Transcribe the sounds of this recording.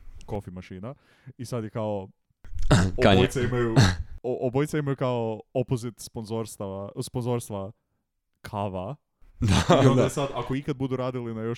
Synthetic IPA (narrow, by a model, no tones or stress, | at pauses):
ko̞fimaʃiːna | isad̪jekao | okat̪saimajuoobojt̪saimajukaoopozit̪sponzoɾst̪aʋasponzo̞ɾst̪ʋa | kʰaʋa | d̪aioonajesad̪akoikad̪̚bud̪uɾaːd̪ilinajo